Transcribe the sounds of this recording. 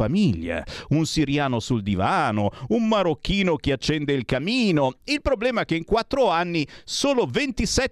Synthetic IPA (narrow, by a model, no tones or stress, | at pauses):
amiʎːa̰unsiɾjaːnosuld̪ivaːnoummaɾokːiːnok̟eat͡ʃːɛnd̪eilkamiːnoilpɾoblɛːmaɛk̟ːeiŋkwat̪ːɾoanːisoːlovent̪isɛ